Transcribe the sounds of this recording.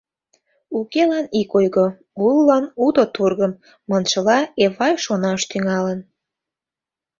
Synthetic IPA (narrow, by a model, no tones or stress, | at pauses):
ukelɑnikojɣo | ulːɑnud̪ot̪urɣəmː | ɤnt͡ʃəlɑeβɑjʃonɑʃt̪yŋɑlən